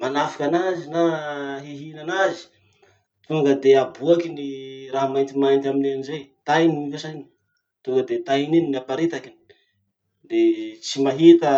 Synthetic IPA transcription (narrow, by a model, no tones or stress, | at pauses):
manafḁkʲanazinaɦeɦinanazi̥ | t̪uŋɡəd̪eabuakiniraɦamajnt̪imajnt̪aminanizejt̪ajniivosani̥ | t̪uŋɡəd̪et̪ainininiapaɾit̪akini̥ | d̪et͡simaɦit̪ə